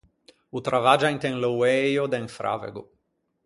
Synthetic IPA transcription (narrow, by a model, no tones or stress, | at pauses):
ut̪ɾʔavad͡ʒajnt̪eŋlowɛjod̪ɛŋfɾʔa̰vḛɡu